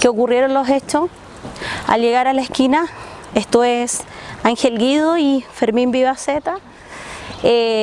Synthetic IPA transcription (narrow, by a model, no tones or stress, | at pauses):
keokurje̞ɾonloset͡ʃo | a̰lʝeɣaɾalaehkinaest̪oesaŋxelɡiðoifeɾmimbiβaset̪a | e